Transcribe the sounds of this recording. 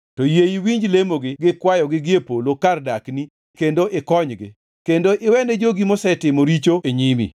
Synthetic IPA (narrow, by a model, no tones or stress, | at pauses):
tɔjejiwiɲd͡ʒlemoɡɪɡɪkwajɔɡɪɡɪepolokardakni | kendoʔɪkɔɲɡɪ̰ | kendoʔɪwɛnɛd͡ʒoɡimosɛtɪmoɾit͡ʃoeɲimḭ